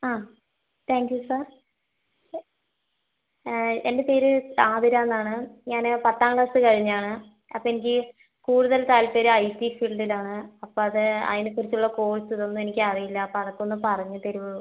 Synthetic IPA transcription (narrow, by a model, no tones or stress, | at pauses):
aː | t̪ʰaːŋkjusaːr | e̞nde̞peːɾɨaːðiɾaenːaːɳɨɲaːnpɐt̪ːaːŋɡɐsɨkɐɻiɲːaːɳɨ | ɐ̰pːoenikʲːɨ | kuːɽuðɐlt̪aːlpeːɾɨɐjtifiɭɖilaːɳɨɐpːoːɐðɨɐ̰ðinekːurit͡ɕːuɭːɐko̞ːɭsɨt̪onːumenikʲːɨaːðɐjilːɐpɐrɐkːuonːɨpɐrɐɲːɨt̪eɾuʋɐ